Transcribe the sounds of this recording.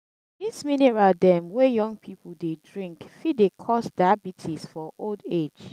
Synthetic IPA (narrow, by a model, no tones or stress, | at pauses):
disminɛɹaldɛ̃mwɛjɔ̃ŋɡpʰipʰəl̩ˠdedɹĩŋkfidekʰɔsdabitʰisfɔʔolded͡ʒ